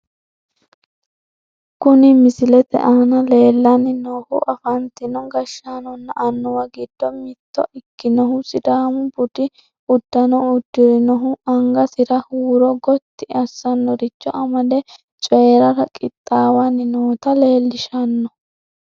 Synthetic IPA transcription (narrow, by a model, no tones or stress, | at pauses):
kʊnɪmɪsɪlɛt̪ɛ̰ʔaːnɐle̞ːlːɐnɪnoːhʊ̰ʔɐfɐnt̪ɪnɔɡɐʃːanɔnːɐʔɐnːɔwɐɡɪd̪̥ːɔmɪt̪ːɔ̰ʔɪkːɪnɔɦʊsɪd̪aːmʊbʊd̪ɪ | ʊd̪ːɐnɔʊd̪ːɪɾɪnɔɦʊɐŋɡɐsɪɾɐhuːɾɔɡɔt̪ːɪɐsːɐnːɔɾɪt͡ʃːɔʔɐmɐd̪ɛ | t͡ʃʼɔjɾɐɾɐkʼɪt̪ʼːaːwɐnːɪnoːt̪ɐle̞ːlːɪʃɐnːɔ